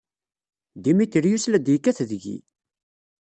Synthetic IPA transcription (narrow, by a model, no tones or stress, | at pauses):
d̪imiθəɾjuslæd̪jikːæθðʝḭ